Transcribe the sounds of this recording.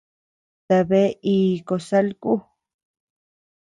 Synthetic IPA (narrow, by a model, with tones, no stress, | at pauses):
t̪a˨βe˦i˧ko˨sa˦lku˦